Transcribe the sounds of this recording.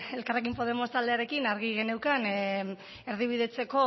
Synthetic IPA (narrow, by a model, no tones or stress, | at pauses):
e̞lkare̞k̬impo̞ð̞e̞mo̞st̪ald̪e̞aɾe̞kinaɾɣiɣe̞ne̞wkan | e̞ɾðiβ̞iðe̞t͡se̞ko̞